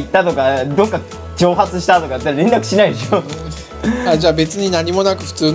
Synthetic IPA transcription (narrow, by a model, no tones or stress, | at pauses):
it̪ːat̪o̞kad̪okːa | t͡ɕo̞ːɦat͡sɨɕi̥t̪at̪o̞kajɯt̪ːaɾaɾend̪akɯ̟ɕinaid̪eɕo | ad͡ʑaːbe̞t͡sɨɲ̟inaɲ̟imo̞nakɯ̟ɸɯ̟̥t͡sɨː